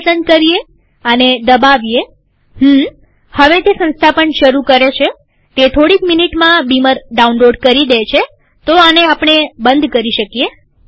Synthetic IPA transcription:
sənkəɾie | əned̪əbaʋije | ɦm̩ | həʋet̪esə̃nst̪ʰapəɳʃəɾukəɾet͡ʃʰe | t̪et̪ʰoɽikminiʈmãbiməɾɖaunloɖkəɾid̪et͡ʃʰe | t̪oaneapɳ̃ebənd̪ʱkəɾiʃəkie

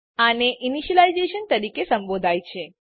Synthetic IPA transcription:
aneʔiniʃəlajzeʃənt̪əɾikesə̃mbod̪ʱajt͡ʃʰe

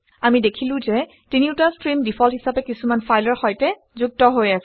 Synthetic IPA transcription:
amidekʰilʊ̃zɛ | tiniuʊtastɹimdipʰɔlhɦisapɛkisumanfʰajlɔɹxɔjtɛ | zuk̚tɔɦojasɛ

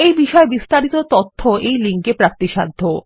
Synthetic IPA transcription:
ejbiʃɔebist̪aɾit̪ot̪ot̪ʰːoejliŋkepɾak̚t̪iʃa̰d̪ʱːo

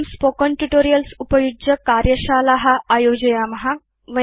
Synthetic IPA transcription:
mspokəɳʈuʈoɾijəlsupəjud͡ʑəkaɾjəɕalaɦaajod͡ʑɐjamɐɦa | ʋə

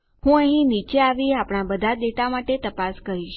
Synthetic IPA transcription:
hũəɦĩnit͡ʃeaʋiapɽ̃abəd̪ʱad̪eʈamaʈet̪əpaskəɾiʃ

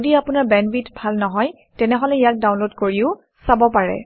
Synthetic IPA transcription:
odiapʊnaɹbɛnbitbʱalnɔɦɔj | tɛnɛɦɔlɛijak̚dawnlodkoɹiʊ | sabɔpaɹɛ̰

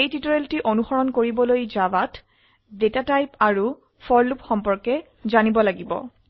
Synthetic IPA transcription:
ejtitɔɹeltiʔonuxɔɹɔnkoɹibɔlojzawat | detatajpaɹu | fʰɔɹlupxɔmpɔɹkɛ | zanibɔlaɡibɔ̰

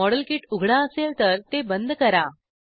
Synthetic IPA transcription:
ɔɽəlkiʈuɡʱɽaəselt̪əɾt̪ebənd̪ʱkəɾa

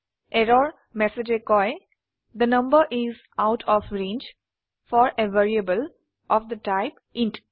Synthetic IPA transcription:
eɾɔːɾ | mɛsed͡ʒekɔɪ | d̪ənʌ̃mbəɾʔɪz | aʊʈʰɔfɾẽːnd͡ʒ | fɔːɾeʋeɾiəbəl | ʔɔfd̪əʈaɪp | ɪ̃nʈ

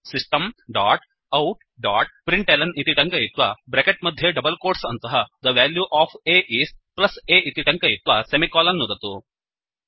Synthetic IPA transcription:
sisʈɐmɖaːʈ | ɐwʈ | ɖaːʈ̚pɾiɳʈelɐnit̪iʈɐŋkɐjit̪ʋɐbɾekeʈ̚mɐd̪ʱjeɖɐbɐlkoːɾʈsɐnt̪ɐɦɐd̪ɐʋaːljuʔaːpʰeːʔiːsʈ̚plɐseːʔit̪iʈɐŋkɐjit̪ʋɐsemikaːlɐnːud̪ɐt̪u

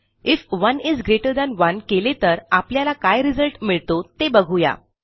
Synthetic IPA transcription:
ifʋənizɡɾeʈəɾd̪ɛ̃nʋənkelet̪əɾapljalakajɾid͡zəlʈmiɭt̪ot̪ebəɡʱuja̰

